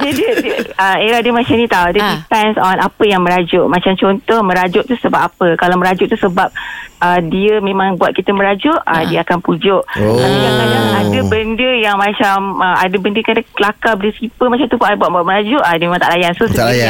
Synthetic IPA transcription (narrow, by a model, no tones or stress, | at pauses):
dədiədiəəeɾahdəmat͡ʃanit̪awdədipɛnsɔnʔapəjaŋmə̃ɾad͡ʒʊʔmat͡ʃamt͡ʃɔnt̪ɔhmə̃ɾad͡ʒʊʔt̪usəbap̚apəkalawməɾad͡ʒʊʔt̪usəbap̚ədiəmemãŋbuat̪̚kit̪əmə̃ɾad͡ʒʊʔədiəakanpud͡ʒʊʔajalaaadəbəndəjaŋmãt͡ʃaməa̰dəbəndəkadakəlakabəlisipəmat͡ʃamt̪ufaʔabuat̪̚buat̪̚məɾad͡ʒʊʔadiəmemãŋt̪aʔlajansossəalja